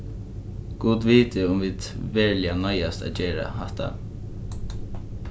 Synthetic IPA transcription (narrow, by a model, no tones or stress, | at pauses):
ɡ̥uːd̪ʋiːt̪ɪʊmʋiːd̪ʋɛːɹlɪanɔjast̪a̰ːd͡ʒeːɾa̰hɛht̪ʰːa̰